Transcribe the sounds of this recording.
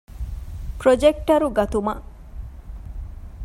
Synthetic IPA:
pɾod͡ʒek̚ʈɐɾuɡɐt̪umɐʔ

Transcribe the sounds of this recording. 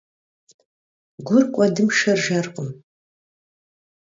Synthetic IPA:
ɡʷʊrkʷʼɔdɨmʃɐrʒɐrqʷʼəm

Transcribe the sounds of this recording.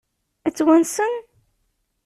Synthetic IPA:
ət͡sːwænsən

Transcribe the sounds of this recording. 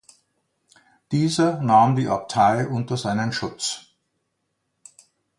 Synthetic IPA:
d̥iːzɐnaːmdiːʔap̚tʰaɪʔʊntɐzaɪnənʃʊt͡s

